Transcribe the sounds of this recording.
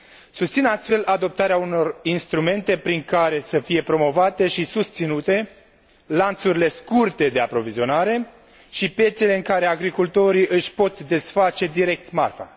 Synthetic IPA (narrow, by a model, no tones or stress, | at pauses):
sust̪sinast̪fe̞lad̪o̞p̚t̪aɾeauno̞rinst̪ɾume̞nt̪e̞pɾiŋkaɾe̞səfije̞pɾo̞mo̞vat̪e̞ʃisust̪sinut̪e̞ | lant̪suɾile̞skurt̪e̞d̪e̞apɾo̞vizio̞naɾe̞ | ʃipje̞t̪sele̞ɨŋkaɾe̞aɡɾikult̪o̞ɾiʔɨʃʲpo̞t̪d̪e̞sfat͡ʃe̞d̪iɾe̞k̚t̪ma̰rfa̰